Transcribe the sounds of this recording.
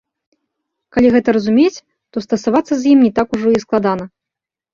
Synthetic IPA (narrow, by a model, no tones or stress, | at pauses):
kalʲiɣɛt̪ɐɾɐzumʲet͡sʲ | t̪ɔst̪ɐsavat̪sːɐzjimnʲit̪akuʐɔisklˠad̪anɐ